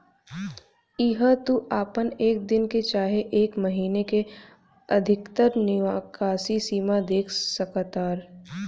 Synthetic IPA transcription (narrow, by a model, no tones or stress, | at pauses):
ɪɦət̪uʔaːpəneːk̚d̪ɪnket͡ʃaːɦeʔeːkmɐɦiːneke | ɐd̪ʱɪkt̪əɾnɪʋaːkaːsisiːmad̪eːkʰsəkət̪aːɾ